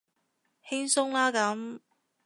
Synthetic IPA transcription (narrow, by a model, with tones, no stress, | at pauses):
hɪ˥ŋsʊ˥ŋlaː˥kɐ˨˧˥m